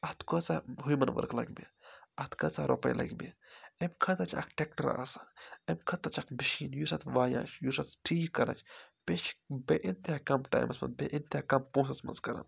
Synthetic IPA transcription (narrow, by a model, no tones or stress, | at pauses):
ɐt̪ʰkɐt͡saɦujmɐnʋə̰ɾkʰlɐ̰ɡbeɐt̪ʰkɐt͡saɾʔo̰pɐ̰jlʔɐ̰ɡbḛemʲkʰɐt̪at͡ʃʰa̰kʈek̚ʈəɾa̰sḁemʲkʰɐt̪at͡ʃʰakbiʃiːnjusɐt̪ʰʋaːjã̰ːt͡ʃʰjusat̪ʈʰiːkːɐɾa̰ːt͡ʃʰpet͡ʃbeʔint̪akɐmʈa̰ːjmɐsmɐ̰nbeʔint̪akɐmpõːsɐsmɐ̰nzkɐɾa̰n